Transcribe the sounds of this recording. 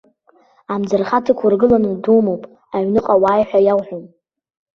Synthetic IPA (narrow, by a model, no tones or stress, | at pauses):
amd͡zɨrχatʰɨkʷʰʊrɡɨlanɨduːmowpʼ | aɥnɨqʼawaːjħʷᶣajawħʷᶣom